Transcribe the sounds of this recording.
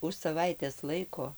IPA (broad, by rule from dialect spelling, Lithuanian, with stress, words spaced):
ʊʃ sɐˈʋɐɪtʲeːs ˈlˠɐɪkoː